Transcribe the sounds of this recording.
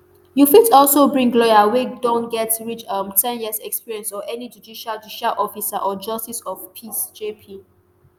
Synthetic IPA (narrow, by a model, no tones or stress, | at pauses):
jufitɔlˠsobɹĩŋɡlɔjawedõnɡɛtɹit͡ʃʌmtʰɛ̃njiəzɛkspiɹiɛ̃nsɔʔɛnid͡ʒudiʃald͡ʒudiʃalʔɔfisaʔɔd͡ʒʌstisɔfpʰisd͡ʒepʰi